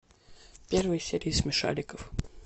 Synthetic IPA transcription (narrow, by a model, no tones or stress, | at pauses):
pʲervɨjsʲeɾʲɪːsmʲɪʂa̰lʲɪkəf